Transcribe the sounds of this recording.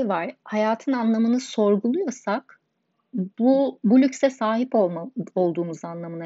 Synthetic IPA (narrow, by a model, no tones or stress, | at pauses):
vaɾ̥hajaːt̪ʰɯnanlˠamɯnɯso̞ɾɡulˠujosak | bubulʲycʲsɛsaːɦipomo̞lˠd̪uːmuzanlˠamɯna